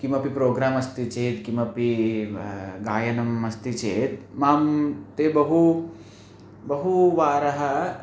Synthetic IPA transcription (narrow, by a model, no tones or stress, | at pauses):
kimɐpipɾoːɡɾaːmɐst̪it͡ʃeːd̪kimɐpi | ɡaːjɐnɐmɐst̪it͡ʃeːd̪maːmt̪eːbɐɦu | bɐɦuʋaːɾɐɦɐ